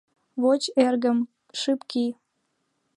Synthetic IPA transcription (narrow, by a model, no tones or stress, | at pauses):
βot͡ɕerɣə̆m | ʃɨpki